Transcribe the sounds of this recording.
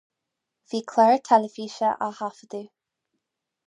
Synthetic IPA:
v̥iːkʰlɛɹt̪ʰɛləfiːʃəʔahafəd̪uː

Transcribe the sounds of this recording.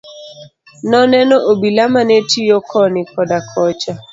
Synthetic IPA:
nɔnɛnɔʔobilamanetijɔkʰɔnɪkɔdakʰɔt͡ʃa

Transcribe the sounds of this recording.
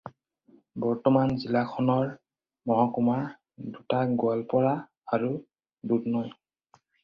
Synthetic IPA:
bɔɹtɔmanzilakʰɔnɔɹ | mɔɦɔkuma | dutaɡʊalpɔɹaː | ɹu | dudnɔj

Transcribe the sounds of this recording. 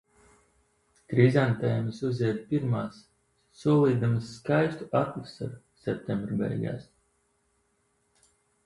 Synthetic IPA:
t̪ɾizant̪ajmɨsuzʲɛd̪̚ʲpiɾmaːsː | uɔlˠiːd̪amɨsːkajst̪uʔat̪lɨsa̰ɾ | sɛp̚t̪ʲɛmbɾbɛ̰jɡa̰ːs

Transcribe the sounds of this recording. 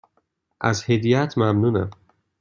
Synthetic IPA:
ʔæzhed̪ijæt̪ʰmæmnuːnæ̰m

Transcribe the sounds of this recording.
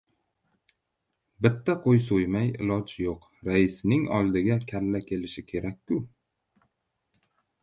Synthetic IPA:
bɪt̪ʰːaqʰojsojmajɪ̰lˠɒd͡ʒjoq | ɾaɪsnɪŋɒ̰lˠd̪ɪɡʲakʲʰalːakʲʰe̞lɪʃɪkʲʰe̞ɾakʲːʊ

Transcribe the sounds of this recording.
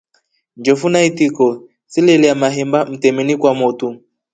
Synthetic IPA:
nd͡ʒɔfunaitikɔ | silɛliamaɦɛmbam̩tɛmɛnikwamɔtu

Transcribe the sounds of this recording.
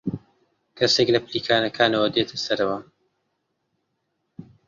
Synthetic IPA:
kʰɐseklɐpliːkʰaːnɐkʰaːnɐwɐd̪eːt̪ʰɐsɐɾɐwa

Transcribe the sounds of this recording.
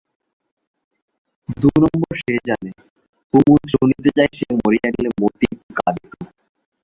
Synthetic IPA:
d̪unɔmboɾʃed͡ʑane | kumunsunit̪ed͡ʑaeʃemoɾijanilemot̪ikalit̪o

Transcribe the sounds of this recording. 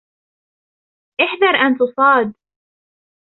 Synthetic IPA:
ʔɪħd̪ɑɾˤʔant̪ʊsˤɑːd̪

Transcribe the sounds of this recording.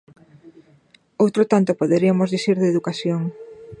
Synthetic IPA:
owt̪ɾot̪ant̪opoðeɾiamozðiθiɾðeðukasjoŋ

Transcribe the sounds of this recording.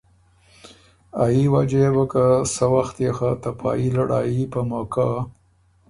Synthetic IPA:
ajiwad͡ʒebakasəwaxt̪exat̪apʰɑ̰ilaɽɑ̰jipəmoka

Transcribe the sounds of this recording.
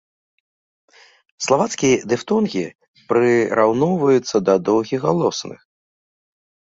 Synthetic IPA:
slˠavat̪skʲijɐd̪ɨft̪ɔnɣʲi | pɾɨɾawnɔwvɐjut̪sːɐd̪ɐd̪ɔwɣʲiɣɣalˠɔsnɨ̰x

